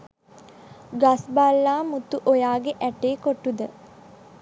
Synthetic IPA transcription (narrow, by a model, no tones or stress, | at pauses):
ɡasbalːaːmut̪uʔojaːɡeʔæʈeːkoʈud̪ə